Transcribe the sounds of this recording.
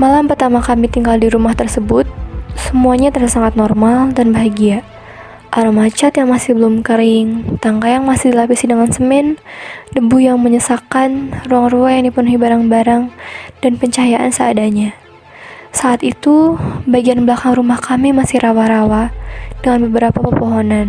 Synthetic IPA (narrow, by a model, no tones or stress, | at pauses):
malampərt̪amakamit̪iŋɡaldiɾumaht̪ərsəbʊt̪̚səmuaɲat̪ərdasaŋat̪̚nɔrmaldanbaɦaɡia | ʔaɾumat͡ʃat̪jaŋmasɪhbəlʊmkəɾɪŋt̪aŋkajaŋmasɪhdilapisidaŋansəmɛndəbujaŋməɲəsakanruaŋruajaŋdipənuɦibaɾaŋbaɾaŋd̥anpəɲt͡ʃajaʔa̰nsəadaɲa | saːt̪it̪ubaɡianbəlakaŋrumahkʰamimasɪhɾʔawaɾawadəŋanbəbəɾapapərpoɦɔnan